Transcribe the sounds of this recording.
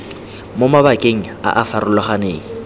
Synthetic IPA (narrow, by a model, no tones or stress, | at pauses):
mʊmabakʼeŋ̩a̰ʔafaɾʊlɔχaneːŋ̩